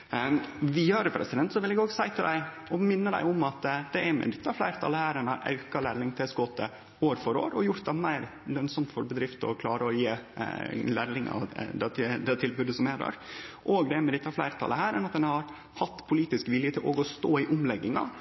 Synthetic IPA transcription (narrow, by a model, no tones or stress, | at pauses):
ʋɪɑːɾəpʰɾɛ̰sɪd̪ɛnt̪sɔʋɪlɛɡoːɡsæɪt̪ʰɪld̪æɪ | ɔmɪnːəd̪æ̰ɪʊmɑt̪d̪ɛæɾmɛ̰d̪ɪt̪ːɑflæɪɾt̪ʰɑ̰lːəhæːɾɛnhɑ̰ɾʔɑ̰ʉkɑlæːɾlɪŋt̪ʰɪsɡɔːt̪ːə̰ | oːɾfɔɾo̰ːɾɔjʊɾt̪̚d̪ɛmæɪɾlœnsɔmt̪fɔɾbəd̪ɾɪft̪ɔ̰kʰlɑːɾəɔjeː | læɾlɪŋʔɑ̰d̪ɛd̪ɛt̪ʰɪlbʉd̪əsɔmɛd̪ɑ̰ːɾʔoɡd̪ɛæɾmɛd̪ɪt̪ːɑflæɪɾt̪ʰɑ̰ləhæːɾɛnɑt̪̚d̪ɛnhɑɾ | hɑt̪ːpʰʊliːt̪ɪskʋɪljət̪ʰɪlʔo̰ːɡɔst̪oːɪʔʊmlɛɡːɪŋɑ̰